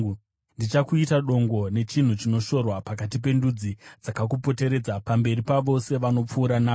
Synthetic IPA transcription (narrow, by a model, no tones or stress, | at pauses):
ndit͡ʃakuitaɗo̞ŋɡo̞ne̞t͡ʃin̤ut͡ʃino̞ʃo̞rwapak̬atipe̞ndud͡zid͡zakak̬upo̞te̞ɾe̞ːd͡zapambe̞ripaʋo̞se̞ʋano̞p͡fuːɾanaː